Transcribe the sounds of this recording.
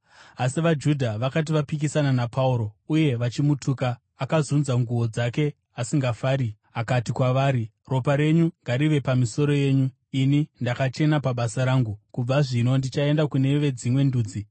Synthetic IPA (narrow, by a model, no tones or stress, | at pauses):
asiʋad͡ʒudʱaʋakat̬iʋapik̬isananapʰauɾo̞uje̞ʋat͡ʃimutʰuːkaː | kazunzaŋɡuʋo̞d͡zake̞ | asiŋɡafaːɾi | akatikwaʋaːɾi | ro̞paɾe̞ɲuŋɡaɾiʋe̞pamiso̞ɾo̞je̞ːɲu | inindakat͡ʃe̞napaɓasaɾaːŋɡukub͡vaʐino̞ndit͡ʃae̞ndakune̞ʋe̞d͡zimwe̞nduːd͡zi